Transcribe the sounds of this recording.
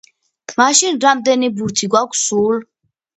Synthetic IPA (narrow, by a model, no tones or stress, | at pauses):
maʃinɾamd̪ɛnibuɾt̪ʰiɡwakʷʰsul